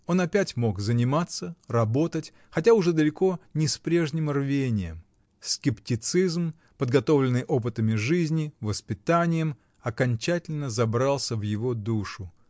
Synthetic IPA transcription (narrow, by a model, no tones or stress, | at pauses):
o̞nɐpʲætʲmo̞ɡzənʲɪmat̪sːərɐbo̞t̪ətʲ | xɐtʲaʊʐɛd̪əlʲɪko̞nʲɪspɾʲe̞ʐnʲɪmrvʲenʲɪjə̰m | skʲɪptʲɪt̪sɨzm | pəd̪ɡɐt̪o̞vlʲɪnːɨjʔo̞p̬ɨt̪əmʲɪʐɨzʲnʲɪvəspʲɪt̪anʲɪjəm | ɐkɐnʲt͡ɕætʲɪlʲnəzɐbɾɑlˠsʲəvjɪvo̞d̪uʂʊ